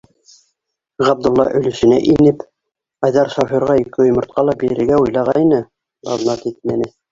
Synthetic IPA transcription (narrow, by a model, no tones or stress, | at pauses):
ʁɑb̚d̪ŏlˠːɑ̰ʔɵ̆lɘ̆ʃɘ̆næ̰ʔinɘp | ɑjðɑɾʃɑfiɾʁɑikɘŏjmŏɾt̪̚qɑlˠɑbiɾɘ̆ɾɡæujlˠɑʁɑinɘ | lˠɑ̰znɑt̪it̪̚mænɘ